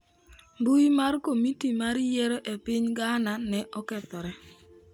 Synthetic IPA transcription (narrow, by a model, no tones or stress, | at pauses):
mbuimarkomitimaɾjeɾoʔepɪɲɡananɛʔɔkɛt̪ɔɾɛ